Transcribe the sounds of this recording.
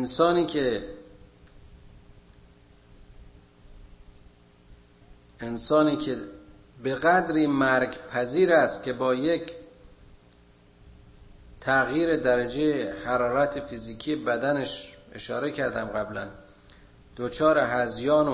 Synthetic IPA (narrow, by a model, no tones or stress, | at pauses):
ensɒːniːkʰe | ensɒːniːcʰe | be̞ɣæd̪ɾiːmæɾɡpʰæziːɾæst̪cʰʲe̞bɒːjecʰ | t̪ʰæɣjiːɾe̞d̪æɾæd͡ʒejehæɾɒːɾæt̪ʰefiziːkʲʰijebæd̪æneʃeʃɒ̰ːɾe̞cʰæɾd̪æmɣæblæn | d̪̥ot͡ʃʰɒːɾeɦæzjɒːno